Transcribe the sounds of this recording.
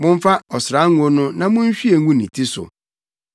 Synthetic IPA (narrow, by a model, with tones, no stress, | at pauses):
mʊ̃˦ɱ˦fa˦ɔ˨sɪ˨ɾa˦ŋ̩ʷ˦o˦nʊ̃˦nã˨mʊ̃˦n˦ɕᶣi˦e˨ŋ̩˦ɡũ˦nĩ˨tʰi˦sʊ̰˨